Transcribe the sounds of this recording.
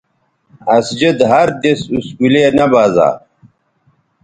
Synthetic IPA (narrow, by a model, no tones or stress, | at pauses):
ɐsd͡ʑed̪ɦɐɾd͡ʑesuskuleːnɐbaːza̰ːɾ